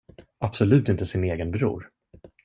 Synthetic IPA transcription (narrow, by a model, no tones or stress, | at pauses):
apsɔlʉ̟ːt̪ɪnt̪əsɪneːɡənbɾṵːɾ